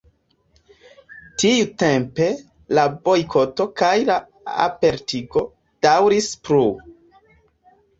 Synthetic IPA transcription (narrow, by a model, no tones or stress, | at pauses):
tijute̞mpe̞ | labo̞jkʰo̞to̞kajla | a̰pe̞ɾtiɡo̞ | d̥awɾispɾu